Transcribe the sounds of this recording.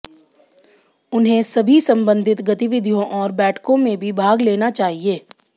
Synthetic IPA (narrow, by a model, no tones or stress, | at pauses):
ʊnɦẽsɐbʱisɐ̃mbə̃nd̪ʱɪt̪ɡɐt̪ɪʋɪd̪ʱjõʔɔːɾbɛːʈʰkõmẽbʱibʱaːɡleːnat͡ʃaːɦieː